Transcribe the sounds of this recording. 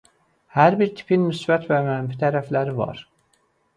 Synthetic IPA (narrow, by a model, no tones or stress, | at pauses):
hæɾbiɾt̪ʰi̥pʰinmysbæt̪væmænfit̪ʰæɾæflæɾivɑ̰ɾ